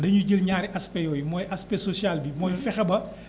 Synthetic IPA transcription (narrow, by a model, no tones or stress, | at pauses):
dɐɲuɟəlɲaːɾiʔɐspɛjɔːjimɔːjʔɐspɛsosijalbimɔːjfɛxɐbɐ